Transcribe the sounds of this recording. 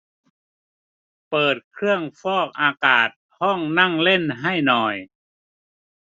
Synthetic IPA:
pɤː˨˩t̪̚kʰɾɯ˥˩əŋfɔː˥˩k̚ʔaː˧kaː˨˩t̪̚hɔ˥˩ŋna˥˩ŋle˥˩nɦa˥˩jnɔː˧˩j

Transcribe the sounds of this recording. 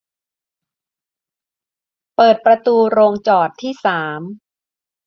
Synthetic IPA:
pɤː˨˩t̪̚pɾa˧t̪uː˧ɾoː˧ŋt͡ɕɔː˨˩t̪ʰːiː˥˩saː˩˦m

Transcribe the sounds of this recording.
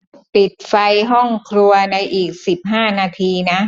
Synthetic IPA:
pi˨˩t̪̚fa˧jɦɔ˥˩ŋkʰɾu˧ɐna˧jʔiː˨˩k̚si˨˩p̚ɦaː˥˩naː˧t̪ʰiː˧na˦˥

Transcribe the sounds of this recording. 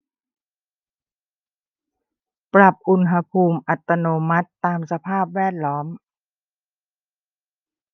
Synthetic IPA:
pɾa˨˩p̚ʔu˧nɦa˧pʰuː˧mʔa˨˩t̪ːa˧noː˧ma˦˥t̪ːaː˧msa˧pʰaː˥˩p̚wɛː˥˩t̪̚lɔː˦˥m

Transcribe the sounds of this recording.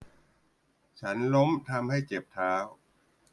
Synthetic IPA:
t͡ɕʰa˦˥nlo˦˥mt̪ʰa˧mha˥˩jt͡ɕe˨˩p̚t̪ʰaː˦˥w

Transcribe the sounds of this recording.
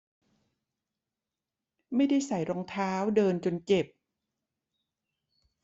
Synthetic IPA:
ma˥˩jda˥˩jsa˨˩jɾɔː˧ŋt̪ʰaː˦˥wdɤː˧nt͡ɕo˧nt͡ɕe˨˩p̚

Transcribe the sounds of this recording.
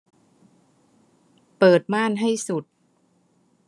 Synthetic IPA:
pɤː˨˩t̪̚maː˥˩˨nɦa˥˩jsu˨˩t̪̚

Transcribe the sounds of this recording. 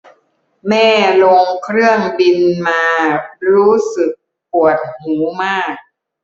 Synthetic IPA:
mɛː˥˩lo˧ŋkʰɾɯ˥˩əŋbi˧nmaː˧ɾuː˦˥sɯ˨˩k̚ | pʰu˨˩ət̪̚huː˩˦maː˥˩k̚

